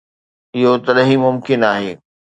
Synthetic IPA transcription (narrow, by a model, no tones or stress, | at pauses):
ɪɦot̪ɐɗɦimʊmkɪnaːɦeː